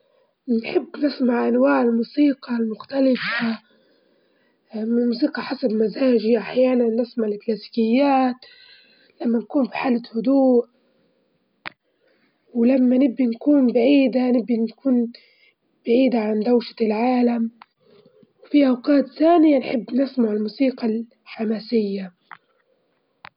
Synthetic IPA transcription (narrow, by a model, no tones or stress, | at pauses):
nħɪbːnɪsmaʕʔanwaːʕɪlmuːsiːqɑlmʊxt̪alɪfa | mɪlmuːsiːqɑħasabmazaːʒiʔaħjaːnanːɪsmaʕɪlɪklaːsi̥ːkɪjːaːt̪ | lamːankuːnbiħaːlɪhʊd̪uːʔ | wlamːanɪbːinkuːnbaʕiːd̪anɪbːinkuːn | b̥aʕiːd̪aʕand̪awʃḁlʕaːlam | wfiʔawqaːt̪θaːnɪjanħɪbːnɪsmaʕɪlmuːsiːqɑl | ħamaːsɪjːa